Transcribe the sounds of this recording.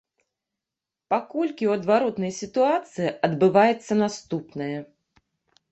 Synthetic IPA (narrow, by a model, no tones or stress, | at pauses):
pakɔlʲkʲiwɐd̪vaɾɔt̪nɐjsʲit̪uat̪sɨjiʔɐd̪bɨvajɛt̪sːɐnast̪upnɐjɐ